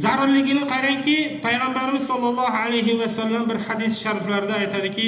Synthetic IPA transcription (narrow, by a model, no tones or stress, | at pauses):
zaɾʊɾlɪɡʲɪnɪqʰɑɾaŋkʲipʰajʁɑmbæɾɪmɪzsɑlˠːɑlˠːɑːɦalajɦɪwɛsalːambɪɾhad̪isʃaɾflaɾɪd̪ɛːjt̪ʰad̪ɪkʲʰi